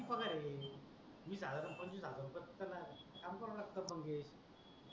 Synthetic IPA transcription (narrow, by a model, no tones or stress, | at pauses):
pəkaɾe | miːsad̪ʱaɾənpənd͡ʑũsad̪ʱaɾupət̪ːənakamkɔɾlak̚t̪əbʱəŋɡeɕ